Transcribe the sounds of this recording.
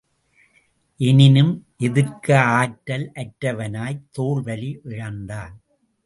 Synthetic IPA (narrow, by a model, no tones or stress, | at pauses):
ʔɛnɪnɯmʔɛðɯɾkɐaːʈːɐlʔɐʈɾɐʋɐnaːjt̪oːɭʋɐliʔɪɻɐnd̪aːn